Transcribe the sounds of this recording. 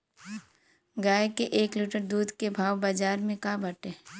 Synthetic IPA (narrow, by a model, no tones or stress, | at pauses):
ɡaːjkeʔeːkliʈəɾd̪uːd̪kebʱaːwbaːd͡ʒaːɾmẽkabəʈeː